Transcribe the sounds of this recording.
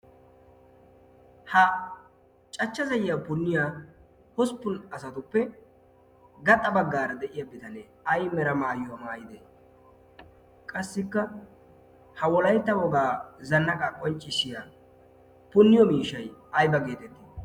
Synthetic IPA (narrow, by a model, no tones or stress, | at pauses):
hɐ | t͡ʃʼɐt͡ʃːɐzɐjɪjapʊnːɪjaː | hɔspːʊnɐsɐt̪ʊpːɛ | ɡɐt̪ʼːɐbɐɡːaːɾɐd̪ɛʔɪjabɪt̪ɐnɛ | ɐjmɛɾɐmaːjʊwɐmaːjɪd̪ɛ | kʼɐsːɪkːɐ | hɐwɔlɐjt̪ːɐwɔɡaːzɐnːɐkʼɐkʼɔnt͡ʃʼːɪsɪja | pʊnːɪjɔmiːʃɐjɐjbɐɡe̞ːt̪ɛt̪ːi